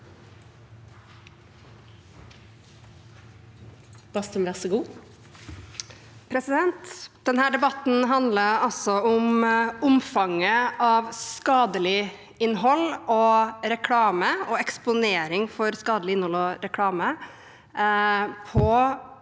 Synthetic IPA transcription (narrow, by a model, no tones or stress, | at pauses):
b̥ɑst̪əmɾɛsəɡuː | pʰɾɛsɪd̪ɛnt̪d̪̥ɛnhæːɖɛbɑt̪n̩ɦɑnd̪ləɾɑsɔʊmʊmfɑŋəɑːʋskɑːd̪əlɪ | ɪnːɦɔlɔɾɛkʰɽɑːməɔɛkspʊneːɾɪŋfɔɾskɑːd̪əlɪɪnhɔlɔɾɛkʰɽɑːmə | pʰɔ